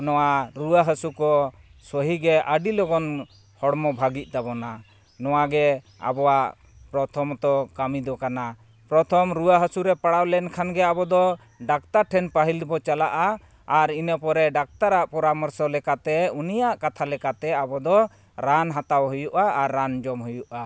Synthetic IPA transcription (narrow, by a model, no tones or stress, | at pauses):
nɔwaɾuwaɦəsukɔ | sɔɦiɡɛʔəɖilɔɡɔn | hɔɽmɔbʱaɡic̚ˀt̪abɔna | nɔwaɡɛ | a̰bɔwaʔ | pɾɔt̪ʰɔmt̪ɔkamid̪ɔkana | pɾɔt̪ʰɔmɾuwaɦəsuɾɛpaɽawlɛnkʰanɡɛabɔd̪ɔ | ɖak̚t̪aɾʈʰɛnpaɦilbɔt͡ʃalaʔaː | ɾinəpɔɾɛɖak̚t̪aɾaʔpɔɾamɔɾsɔlɛkat̪ɛunijaʔkat̪ʰalɛkat̪ɛabɔd̪ɔ | ɾanɦat̪awɦujuʔaaɾːand͡ʒɔmɦujuʔa